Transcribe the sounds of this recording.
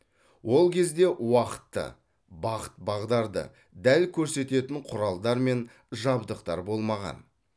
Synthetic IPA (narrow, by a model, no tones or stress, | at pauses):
wo̞lˠkʲʰe̞zd̪e̞wɑqə̥t̪ːə̰ | bɑqə̥t̪̚bɑʁd̪ɑɾd̪ə̰ | d̪ælkʲʰɵɾse̞t̪e̞t̪ɪɴqʰʊɾɑlˠd̪ɑɾme̞n | ʒɑbd̪əqt̪ɑ̰ɾbo̞lˠmɑʁɑ̰n